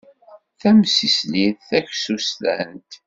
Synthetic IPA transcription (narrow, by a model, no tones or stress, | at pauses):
θæmsisliðθæçsust̪æ̰nt̪